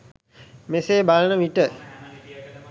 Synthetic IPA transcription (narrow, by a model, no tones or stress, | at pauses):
meseːbalənəʋiʈə